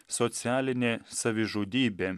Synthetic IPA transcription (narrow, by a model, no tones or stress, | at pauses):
sɔt̪sʲæːlʲɪnʲeːsɐʋʲɪʒoːd̪ʲiːbʲeː